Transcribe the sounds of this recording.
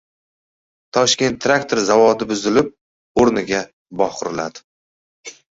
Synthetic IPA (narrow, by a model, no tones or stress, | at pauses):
t̪ʰɒʃkʲe̞nt̪ʰːɾakt̪ʰo̞ɾzavɒd̪ɪbʊzɪlɪp̚ | oɾnɪɡʲa | bɒqʊɾɪlad̪ɪ̥